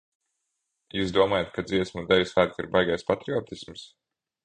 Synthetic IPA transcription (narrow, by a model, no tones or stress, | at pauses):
juːsd̪uɔmaːjat̪̚kad̪ziɛsmud̪ɛvʲisaːkḭɾbajɡajspat̪ɾiɔːt̪isms